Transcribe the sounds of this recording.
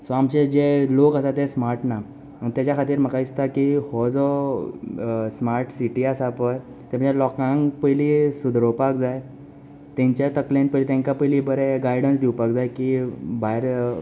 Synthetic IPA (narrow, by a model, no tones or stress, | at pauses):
sɔamt͡ɕed͡ʑelokəsat̪esmaɾʈna | məɳt̪jat͡ɕjakʰat̪iːɾm̤əkaist̪akihɔd͡zɔ | smaɾʈsiʈiasapəj | t̪em̤ə̃d͡ʑelɔkãŋɡpəjlisud̪ʱɾopakd͡zaj | t̪ɛ̃ɲt͡ɕat̪əklẽnt̪̚pəlit̪ɛ̃ŋkapəjliːbəɾeɡajɽənsd̪ʱiwpakd͡zajkibʱaiɾ